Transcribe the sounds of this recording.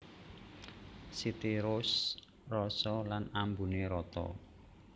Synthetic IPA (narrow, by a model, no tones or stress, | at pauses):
sit̪iɾʊs | rɔsɔlanambuneɾɔt̪ɔ̰